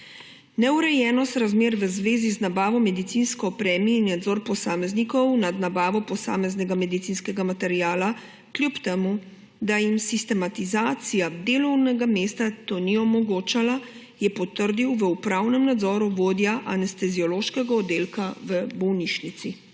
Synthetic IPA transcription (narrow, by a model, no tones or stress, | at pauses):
nɛuɾɛjɛːnɔst̪ɾazmeːɾʋəzʋeːziznabaːʋɔmɛd̪it̪sinskɔɔpɾɛːmiːnːad̪zɔɾpɔsaːmɛznikɔwnad̪nabaːʋɔpɔsa̰ːmɛznɛɡamɛd̪it̪siːnskɛɡamat̪ɛɾijaːla | kljupt̪ɛmu | d̪ajimsist̪ɛmat̪izaːt̪sijad̪eːlɔwnɛɡameːst̪at̪oniɔmɔɡoːt͡ʃala | jɛpɔt̪əɾd̪iwʋəupɾawnɛmnad̪zɔːɾuʋoːd̪jaʔanɛst̪ɛziɔloːʃkɛɡaɔd̪eːlkaʋəbɔwniʃnit̪si